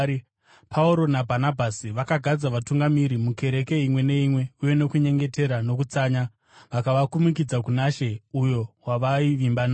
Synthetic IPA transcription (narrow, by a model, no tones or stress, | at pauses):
pʰauɾo̞nabʱanabʱasiʋakaɡʱad͡zaʋatuŋɡamiɾimuke̞ɾe̞ke̞imwe̞ne̞imwe̞uje̞no̞kuɲe̞ŋɡe̞te̞ɾano̞kut͡saːɲa | ʋakaʋakumik̬id͡zakunaʃe̞ujo̞waʋaiʋimbana